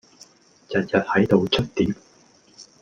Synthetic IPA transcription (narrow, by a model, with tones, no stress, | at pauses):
jɐ˨˩n̚jɐ˨t̚hɐ˨˥jt̪o˨wt͡ʃʰɵ˥t̚t̪iː˨˥m